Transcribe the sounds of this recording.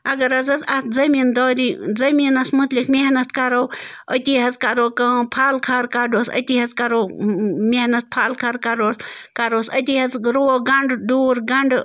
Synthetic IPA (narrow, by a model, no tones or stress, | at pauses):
ɐɡɐɾɐzɐt̪ʰɐt̪zɐmiːnd̪ɔːɾizɐmiːnɐsmut̪likmʲeɦnɐt̪kɐɾowət̪ʲiɦɐzkɐɾoːkɐ̃ːpʰaːlkʰaɾkaɖosɐ̰t̪ʲiɦɐzkɐɾoːmehnɐt̪̚pʰaːlkʰɐɾkɐɾoːskɐɾoːsɐt̪ʲiɦɐzɾoːɡɐɳɖɖuːɾɡɐɳɖ